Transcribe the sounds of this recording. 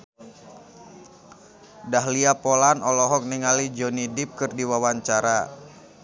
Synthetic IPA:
daɦliapɔlanɔlɔɦɔk̚niŋalid͡ʒɔnidip̚kɨrdiwawaɲt͡ʃaɾa

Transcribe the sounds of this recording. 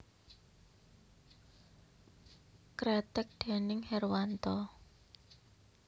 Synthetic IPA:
kɾɛt̪ɪk̚d̪̥e̤nɪŋhɛrwant̪ɔ

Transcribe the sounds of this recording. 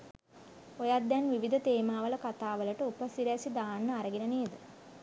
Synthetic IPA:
ojad̪janʋiʋid̪ʱɐt̪eːmaːʋɐlɐkat̪aːʋɐlɐʈəupɐsiɾasid̪aːnːɐaɾɐɡinɐneːd̪ə

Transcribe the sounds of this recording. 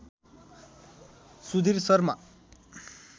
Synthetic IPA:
sud̪ʱirsʌrma̰

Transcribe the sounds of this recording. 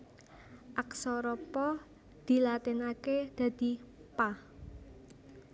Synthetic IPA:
ʔaksɔɾɔpɔ | d̪̥i̤lat̪ɪnaked̪̥ä̤d̪̥i̤pa

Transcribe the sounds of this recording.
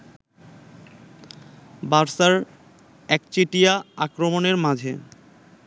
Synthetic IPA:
baɾsaɾ | ɛk̚t͡ɕiʈijaakɾomoneɾmad͡ʑʱḛ

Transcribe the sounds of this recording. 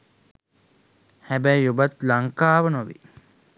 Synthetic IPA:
hæbæjjubat̪laŋkaːʋənoʋḭ

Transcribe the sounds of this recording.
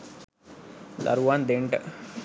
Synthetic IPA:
lɐ̰ɾuʋand̪eɳʈ

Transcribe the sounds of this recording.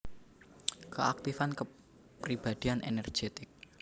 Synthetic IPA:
kəʔak̚t̪ifankə | prib̥ad̪̥ianʔḛnɛr̥ʒ̥et̪ɪk̚

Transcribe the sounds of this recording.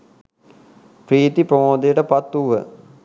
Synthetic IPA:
pɾiːt̪ipɾomoːd̪ijəʈəpɐt̪ːuʋə̰

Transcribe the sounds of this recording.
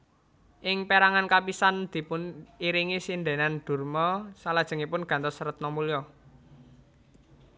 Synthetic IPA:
ʔɪŋpeɾaŋankapisand̪̥i̤pʊniɾiŋisind̪e̤nanɖ̪̥ṳrmɔsalad̥ʒ̥ə̤ŋipʊnɡ̥a̤nt̪ɔsɾət̪̚nɔmulijɔ

